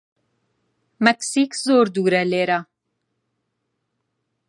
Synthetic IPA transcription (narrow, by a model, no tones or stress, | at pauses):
mɛksikzoːɾd̪uːɾɛleːɾa